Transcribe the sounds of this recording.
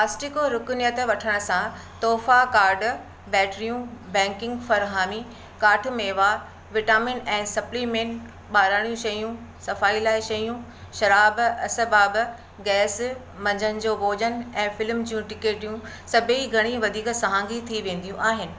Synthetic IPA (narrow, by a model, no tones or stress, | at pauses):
paːsʈɪkoɾʊkʊnjət̪ʋɐʈʰəɽ̃ʊsã | t̪ɔːfakaːɾɖ | bɛːʈɾijũbɛ̃ːŋkɪ̃ŋɡfɐɾɦaːmi | kaːʈʰmeːʋaː | ʋɪʈaːmɪnɛ̃ːsɐplimẽɳʈ | ɓaːɾaːɽ̃ijũʃɐjũsɐfaːilaːɪʃɐjũ | ʃɐɾaːbɐsəbaːb | ɡɛːs | mɐ̃ɲd͡ʑənɪ̆d͡ʑoːboːd͡ʑənɪ̆ɛ̃ːfɪlmd͡ʑijũʈɪkeːʈijũ | sɐbʱeiɡʱɐɽ̃iʋɐd̪ʱiːksɐɦãːŋɡit̪ʰiʋẽːn̆d̪ijũʔaːɦɪnɪ̆